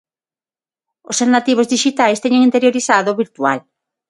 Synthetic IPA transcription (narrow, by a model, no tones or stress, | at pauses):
osannat̪iβ̞ozðiʃit̪ajst̪eɲeŋint̪eɾjoɾiθaðoβiɾt̪ua̰l